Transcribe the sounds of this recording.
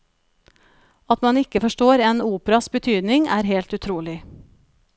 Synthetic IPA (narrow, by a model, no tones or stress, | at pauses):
ɑt̪mɑnɪkəfɔʃʈoːɾeːnuːpəɾɑsbət̪ʰyːd̪nɪŋæːɾheːlt̪ʉt̪ʰɾuːlɪ